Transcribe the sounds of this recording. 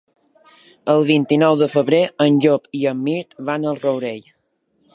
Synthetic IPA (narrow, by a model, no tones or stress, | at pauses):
əlˠβint̪inɔwðəfəβɾeənʲʎopiəmːiɾt̪βanəlˠrəwɾeʎ